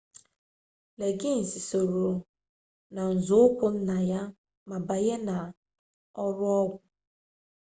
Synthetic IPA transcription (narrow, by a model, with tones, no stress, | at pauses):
le˨ɡɪ˦n̩˨si˨so˨ɾo˨ | na˨n̩˨zʊ˦ʊ˦kʷʊ˨n̩˦na˨ja˦ | ma˨ba˨je˦na˨ | ɔ˦ɾʊ˦ɔ˦ɡʷʊ˨